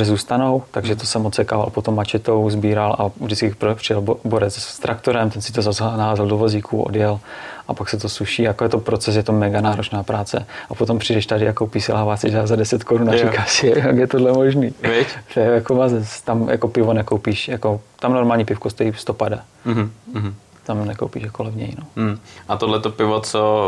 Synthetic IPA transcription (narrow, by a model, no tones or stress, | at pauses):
ʒɛzuːst̪anowt̪aɡʒɛt̪osɛmot͡sɛkaːva̰lpot̪omːat͡ʃɛt̪owzbiːɾalʔa̰vdɪt͡skɪpɾpr̥ɪjɛlboɾɛt͡ssst̪ɾʔakt̪oɾɛmt̪ɛnsɪ̥t̪ozaznaaːzaldovoziːkʰṵʔo̰djɛlʔapaksɛt̪osuʃiːajakojɛt̪opɾot͡sɛs̬jɛt̪omɛɡanaːɾot͡ʃnaːpɾaːt͡sɛ̰ʔapot̪o̞mpr̝̥idɛʃt̪adɪjakowpisɪlaːvaːsɪʒazadɛsɛt̪koɾunaɾikaːsɪaɡjɛt̪odlɛmoʒniːvɪct̪ɛjɛjakomazɛst̪amja̰kopɪvonɛkowpiːʃjakot̪amnoɾmaːlɲipɪfkost̪ɛist̪opada | ɦɦ̩ | t̪amnɛko̰wpḭʃjakolɛvɲɛ̰jnoʔat̪odlɛt̪opɪvot͡so